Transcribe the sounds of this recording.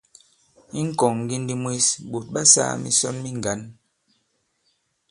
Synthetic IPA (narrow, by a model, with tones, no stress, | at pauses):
i˦ŋ̩˦kɔ˨ŋŋ˨ɡi˦n˦di˦mwe˦sɓo˨t̚ɓa˦sa̰ː˦˨mḭ˦sɔ˦nmi˦ŋ˨ɡa˨˦n